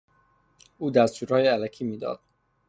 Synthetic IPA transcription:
uːd̪æst̪uːɾhɒːjeælæcʰiːmiːd̪ɒ̰ːd̪̥̚

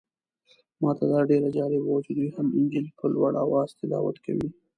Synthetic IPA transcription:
mɑt̪ad̪ɑɖeɾad͡ʒɑɾɪbawt͡ʃed̪ujhamɪnd͡ʒilpəlwaɽʔawɑzt̪ɪlɑ̰wa̰t̪kʰa̰wi

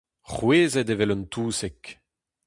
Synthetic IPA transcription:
χweːzɛd̪evɛlɔnt̪uːsɛk

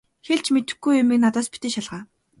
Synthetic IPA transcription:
xeɮt͡ɕʰmet̪ɘ̆xɡujʊmĭknat̪aːspi̥t̪eːʃaɮʁaː

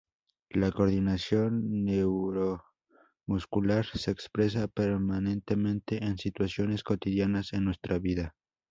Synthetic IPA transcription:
lakoɾðinasjonːewɾo | muskulaɾseːkspɾes̬apeɾmanẽnt̪emẽnt̪eʔensit̪wasjoneskot̪iðjanasenːwest̪ɾaβiða

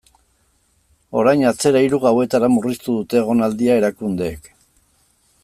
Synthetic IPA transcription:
o̞ɾajnat͡se̞ɾaiɾuɣawe̞t̪aɾamurist̪uðut̪e̞ːɣ̞o̞nald̪iae̞ɾakund̪e̞ːk

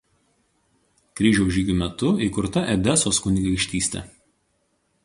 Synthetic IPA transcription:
kɾʲiːʒʲɛʊʒʲiːɡʲuːˑmʲɛt̪ʊiːˑkʊɾt̪ɐʔɛd̪ʲɛsoːskʊnʲiɡʲɐɪkʃʲt̪ʲiːsʲt̪ʲɛ̰

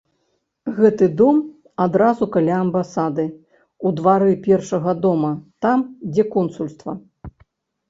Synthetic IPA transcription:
ɣɛt̪ɨd̪ɔm | ad̪ɾazukalʲaɐmbasad̪ɨ | ud̪vaɾɨpʲɛrʂɐɣɐd̪ɔmɐt̪amd͡zʲɛkɔnsulʲst̪vɐ

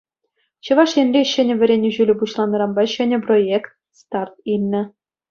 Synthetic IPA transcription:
ɕɤ̆ʋɑʂjĕnʲrʲeɕɘ̆nʲɘ̆ʋʲɘ̆ɾʲenʲɘ̆ʑylʲɘ̆puɕlˠɑnːɤ̆ɾɑmbɑɕɘ̆nʲɘ̆projekt̪̚st̪ɑrt̪̚ilʲnʲɘ̆

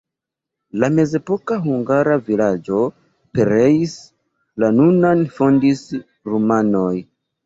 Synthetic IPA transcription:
lame̞ze̞po̞kaɦuŋɡaɾavilad͡ʒo̞ | pe̞ɾe̞is | lanunanfo̞ndis | ɾumano̞j

